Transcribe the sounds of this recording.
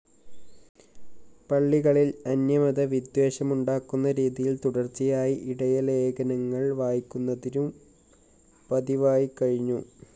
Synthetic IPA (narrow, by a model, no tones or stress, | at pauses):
pɐɭːiɣɐɭilɐnjɐmɐðɐʋid̪we̞ːɕɐmuɳɖaːkːunːɐɾiːðijilt̪uɽɐrt͡ɕijaːjiʔiɽɐjɐleːɡɐnɐŋːɐɭʋaːjikʲːunːɐðinum | pɐðiʋaːjikɐɻiɲːu